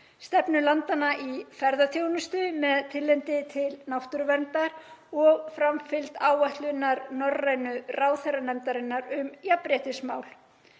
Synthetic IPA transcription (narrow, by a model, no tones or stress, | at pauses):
st̪ɛpnʏlant̪anaʔifɛɾðaθjownʏst̪ʏmɛðt̪ʰɪlːɛnt̪ɪt̪ʰɪlnawht̪ʏɾvɛnt̪aɾɔɣfɾamfɪlt̪aːwvaht̪lʏnːaɾnɔrajnʏraːwθɛɾanɛmt̪aɾɪnːaɾʏmjapɾjɛht̪ɪsmaːwl